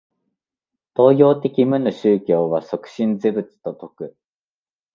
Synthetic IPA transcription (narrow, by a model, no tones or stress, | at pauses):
t̪o̞ːjʲo̞ːt̪e̞kʲimɯ̟noɕɨːkʲo̞ːβaso̞kɯ̟̥ɕĩnd͡zɨbɯ̟t͡si̥t̪o̞t̪o̞kɯ̟